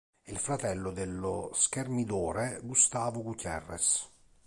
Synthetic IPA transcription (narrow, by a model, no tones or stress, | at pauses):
ilfɾat̪ɛlːʊd̪elːʊskermid̪ɔːɾeɡust̪aːvʊɡut̪ɛ̰rːɛ̰s